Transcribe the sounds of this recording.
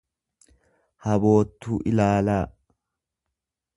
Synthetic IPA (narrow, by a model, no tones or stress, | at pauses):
hɐbo̞ːt̪ːuːʔɪlaːlaː